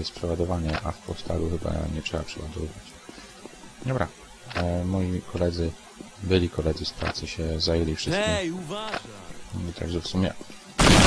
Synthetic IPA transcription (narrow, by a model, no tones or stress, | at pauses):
jɛst̪pʂɛwad̪ɔvaɲɛʔafpɔst̪aluxɘba̰ɲɛtʂɛbapʂɛwad̪ɔvat͡ɕ | d̪ɔbɾa | mɔjikʰɔlɛd̪zɘ | bɘlʲikɔlɛd̪zɘspɾa̰t̪sɛɕɛzajɛlʲifʂɘsst̪kim | t̪ʰa̰ɡʐɛfsumʲɛ̰